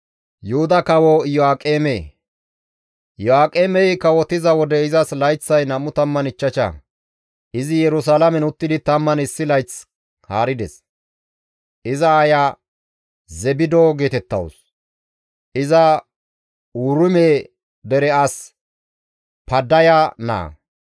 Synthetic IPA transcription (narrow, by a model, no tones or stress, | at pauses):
jʊhʊd̪ɐkɐwɔjɔaːkʼeːmḛː | jɔaːkʼeːmɛjkɐwɔt̪ɪzɐwɔd̪ɛɪzɐslɐjt͡sːɐjnɐmːʊt̪ɐmːɐnɪt͡ʃːɐt͡ʃɐ̰ | ʔɪzɪjɛɾʊs̬aːlɐmɛnʊt̪ːɪd̪ɪt̪ɐmːɐnɪsːɪlɐjt͡s | haːɾɪd̪ɛ̰s | ʔɪzɐːjaː | zɛbɪd̪oːɡe̞ːt̪ɛt̪ːɐ̰wɔ̰s | ʔɪzɐ | uːɾʊmeː | d̪ɛɾɛas | pɐd̪ːɐjana̰ː